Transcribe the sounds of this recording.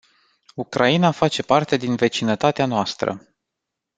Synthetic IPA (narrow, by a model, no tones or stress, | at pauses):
ukɾʔainafat͡ʃe̞part̪e̞d̪inve̞t͡ʃinət̪at̪eanoast̪ɾə̰